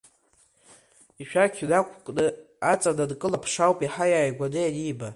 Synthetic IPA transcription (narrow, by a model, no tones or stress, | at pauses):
iʃᶣakʲʰdakʷʰkʼnɨ | at͡sʼadadkʼɨlapʰʂawpʼiħajaːjɡʷanɨjadiba